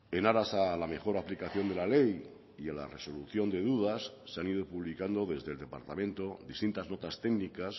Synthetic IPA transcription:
e̞naɾasalame̞xo̞ɾaplikaθjo̞nd̪elale̞j | iala̰reso̞luθjo̞nd̪eðuðasːeanið̞opuβlikand̪o̞ðe̞zðe̞ld̪e̞pa̰ɾt̪amẽ̞nt̪o̞ðist̪int̪azno̞t̪ast̪e̞ɡnikas

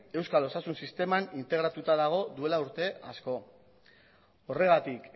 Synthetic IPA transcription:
e̞wskalo̞sasunsist̪e̞manint̪e̞ɣɾat̪ut̪aðaɣ̞o̞ðue̞lauɾt̪e̞asko̞ | ore̞ɣ̞at̪ik

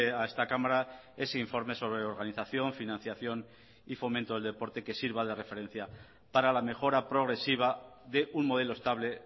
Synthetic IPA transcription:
ae̞st̪akamaɾa | e̞seiɱfo̞ɾme̞so̞β̞ɾeoɾɣaniθaθjo̞ɱfinãn̟θjaθjo̞n | ifo̞mẽnt̪o̞ðld̪e̞po̞ɾt̪e̞ke̞siɾβaðe̞re̞fe̞ɾe̞n̟θja | paɾalame̞xo̞ɾapɾo̞ɣɾe̞siβ̞aðe̞ʔuŋmoð̞e̞loest̪aβle̞

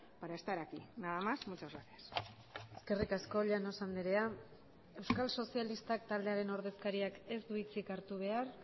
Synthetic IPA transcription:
paɾaest̪aɾakinaðamasmut͡ʃozɣaɾeas | e̞ske̞rikasko̞ʎanosand̪eɾe̞a | e̞wskalso̞sialist̪ak̚t̪ald̪eaɾe̞no̞ɾð̞e̞skaɾiake̞zd̪uβit͡sikaɾt̪uβ̞e̞ar

